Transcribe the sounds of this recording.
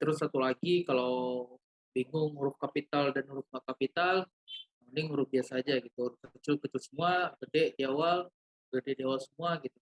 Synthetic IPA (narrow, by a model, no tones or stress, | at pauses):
t̪əɾʊsːat̪ulaɡikalaw | biŋɡʊŋuɾʊhkapit̪aldanuɾʊhmakapit̪al | manɪŋuɾʊk̚biasaːd͡ʒaɡit̪uɾʊhkət͡ʃʊlkət͡ʃʊlsəmuaɡədɛʔdiawal | ɡədɛʔdiawalsəmuaɡit̪u